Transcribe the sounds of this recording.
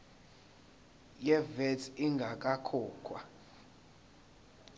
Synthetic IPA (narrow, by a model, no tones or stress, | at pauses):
jɛvɛtʰiŋɡʱak̬ʼakʰɔːkʰwa̰